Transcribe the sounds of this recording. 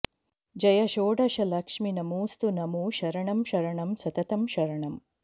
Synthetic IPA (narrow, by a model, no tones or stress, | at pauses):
d͡ʒɐjɐʃoːɖɐʃɐlɐkʂminɐmuːst̪unɐmuʃɐɾɐɳɐmʃɐɾɐɳɐmsɐt̪ɐt̪ɐmʃɐɾɐɳɐm